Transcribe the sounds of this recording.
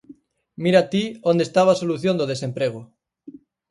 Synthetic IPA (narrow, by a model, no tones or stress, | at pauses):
miɾat̪iond̪est̪aβ̞asoluθjond̪oð̞esempɾeɣ̞o